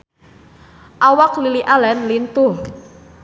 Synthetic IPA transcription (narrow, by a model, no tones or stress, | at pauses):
ʔawakliliʔalɛnlint̪uh